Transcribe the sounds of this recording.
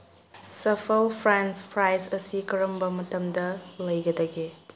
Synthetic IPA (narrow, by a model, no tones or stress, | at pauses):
sɐfʰɐlpʰɾɛnspʰɾajsɐsikɐɾɐmbɐmɐtɐmdɐlɐjɡɐdɐɡe